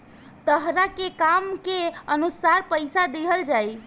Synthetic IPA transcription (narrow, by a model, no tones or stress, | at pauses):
t̪əɦɾakekamkeənusaɾpəjsad̪eɦəld͡ʒaj